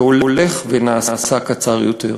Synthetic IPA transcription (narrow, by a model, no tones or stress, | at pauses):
ololeχvenaːaːsakat͡saʁjot̪ḛʁ